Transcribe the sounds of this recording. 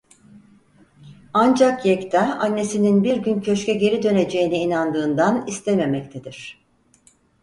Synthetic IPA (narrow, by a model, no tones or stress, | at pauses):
and͡ʒakjɛct̪ʰɛanːe̞sininbiɾɟyncʰø̞t͡ʃcʰɛɟe̞ɾid̪ø̞ne̞d͡ʒe̞jiniinand̪ɯːnd̪anist̪ʰeme̞mɛc̚t̪ʰed̪iɾ̥